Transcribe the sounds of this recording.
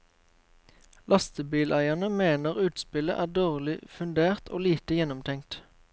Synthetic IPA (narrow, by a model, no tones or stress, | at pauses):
lʔɑst̪əbiːlʔæɪɑnəmeːnəʁʉːt̪spɪlə̰ʔæːd̪oːʁlɪfʉnd̪eːʁt̪ʰo̰ːliːt̪əjɛnɔmt̪ʰɛŋt̪